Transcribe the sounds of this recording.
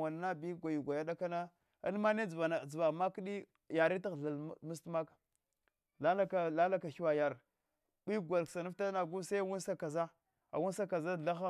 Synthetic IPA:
a˨n˨na˦bi˦ɡʷa˨ju˨ɡʷa˨ja˦da˦ka˦na˦ | a̰˦n˦ma˦ne˦d͡zva˨na˨d͡zva˨ma˦kɗi˦ | ja˨ɾi˦ta˦ɣɬa˨lmu˦stma˦ka˨ | la˦la˦ka˨la˦la˦ka˨xi˦wa˨ja˨ɾ | ɓi˦ɡʷa˨lksa˨nu˦fta˦na˨ɡu˦sa˦wu˦nsa˦ka˨za˦ | a̰˨wu˦n˦sa˦ka˨za˦ɮa˦xa˦

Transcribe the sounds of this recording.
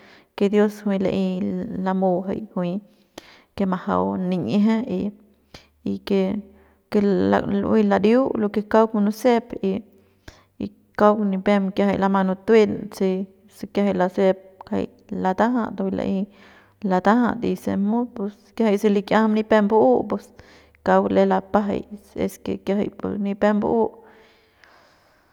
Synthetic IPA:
ke˧d̪jo˦shwi˧la̰˧ʔi˧la˧mo˧ɦa̰˧jhwi˧ | ke˧ma˧ha̰˧wni˧ɲe˦ɦe˦i | ike˧ | ke˧a̰lwʔi˧la˧ɾju˦lo˧ke˧ka˦wkma˧nu˧se˦pi˧ | i˧ | ka˦wni˧pe˧mkja˧ha˧jla˧ma˧nu˧t̪wi˦lt͡se˧ | sekjaha˧lase˧p̚ka̰j | lat̪a˦ɦad̪o˧ila̰ʔi˧ | la˧t̪a˦ɦa̰d̪i˧semu˦pes | kjaha˧jse˧li˧kʲja˦hmni˧pe˦mbuu˦pwe˧s | ka˧wle˧lapa˦ɦa̰jḛskḛ˧kja˧ɦa̰˧jpo̰sni˧pe˦mb̰ʔu˦ʔ

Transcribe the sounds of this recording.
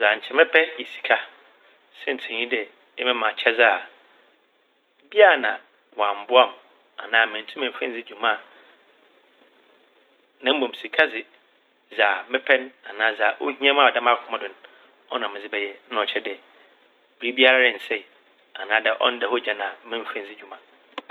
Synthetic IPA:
za˨ɲ̩˨t͡ɕʰɛ˦mɪ̃˦pʰɛ˦jɛ˨si̥˨kʰa˦ | sɛ˦n̩˨tʰɪ̃˨ɲĩ˦dɛ˨ | ɛ˦mɪ̃˦mã˨t͡ɕʰɛ˦za˦˨ | bi˦a˦˨nã˨ | wã˨m̩˨bʊ˦a˦˨m | a̰˨nãː˦˨mɪ̃˨n˨tʰũ˦mã˨˦fɛ̰̃˦n˦d͡zɪ˦d͡ʑũ˨mã˦˨ | nã˦m̩˦bõ˨m˨si˨kʰa˦zɪ˨ | za˨mɪ̃˦pʰɛ̃˦na˨nãː˨˦za˨ʔo˦hĩ˦ã˦ma˦˨dã˦m˦a˦˨kʰʊ˦mã˦˨dʊ̃˨n | ɔ˦nã˨mɪ̃˨d͡zɪ˦bɛ˨jɛ˦n̩˦˨t͡ɕʰɛ˦dɛ˨ | b̥i˨ɾi˦bi˦a˦ɾa˦ɾɪ̃˨n̩˨sɛ˦˨ | a˨nãː˦dɛ˨ʔɔ̰̃˦n˦dɛ˨hɔ˦d͡ʑa˨nã˨˦mɪ̃˦m̩˦fɛ̃˦nd͡zɪ˦d͡ʑᶣu˨mã˨

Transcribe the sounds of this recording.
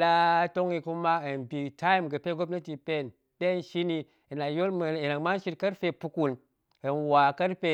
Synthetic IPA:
la˦to˦ŋi˧ku˦ma˦e˨nbi˨tʰa˦i˦˨mɡə˨pe˦ɡo˦bna˦ti˨pe˦˨n | ɗe˦n˦ʃi˦ni˨ | i˨na˨jo˦lm˨i˨na˨ŋma˦n˦ʃi˦ɾka˦ɾfe˨pu˨ku˨n | e˨nwa˨ka˦ɾfe˦˨

